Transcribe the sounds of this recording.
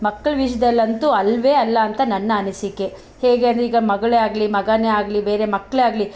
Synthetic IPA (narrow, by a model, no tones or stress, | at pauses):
mɐkːɐɭɐʋiʃɐd̪ɐlːɐnt̪uɐlʋeɐlːɐːnt̪ɐnɐnːɐɐnisikːe | heːɡeɐnd̪ɾiːɡɐmɐɡɐɭeaːɡɐlimɐɡɐneaːɡɐlibe̞ːɾe̞mɐkːɐɭaːɡli